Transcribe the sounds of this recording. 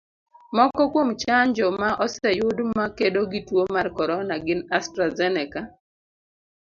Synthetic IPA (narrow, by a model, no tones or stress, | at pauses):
mɔkɔkwomt͡ʃaɲd͡ʒɔmaʔɔsɛjʊdmakedoɡitwomarkɔɾɔnaɡɪnastɾazɛnɛka